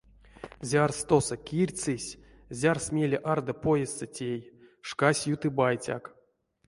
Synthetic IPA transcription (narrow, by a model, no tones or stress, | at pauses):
zʲarst̪osəkʲirʲt͡sɨsʲ | zʲarsmʲelʲeʔard̪ɐpojest͡sɨtʲejʂkasʲjut̪ɨbajt͡sʲa̰k